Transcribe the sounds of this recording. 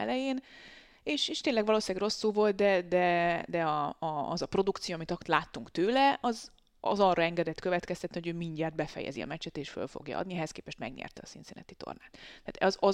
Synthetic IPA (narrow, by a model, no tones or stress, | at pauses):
ɛ̰lɛjeːn | eːʃeːʃt̪eːnlɛɡvɒloːsiaːɡro̞sːulvo̞lt̪̚d̪ɛd̪ɛd̪ɛɒɒːzɒpro̞d̪ukt̪sijoːɒmit̪ɒt̪laːt̪ːuŋkt̪øːlɛʔɒz | ɒ̰zɒrːɒɛŋɡɛd̪ɛt̪kø̞vɛt̪kɛst̪ɛt̪nihoɟøːmiɲɟaːrd̪̚bɛfɛ̰jɛ̰ziɒ̰mɛt͡ʃɛt̪eːʃfø̰lfo̞̰ɡjɒ̰ɒ̰d̪niɛɦɛskeːpɛʃt̪mɛɡɲɛ̰rt̪ɛɒsint̪seːnɛ̰t̪it̪o̰rnaːt̪t̪ːaːt̪zɒ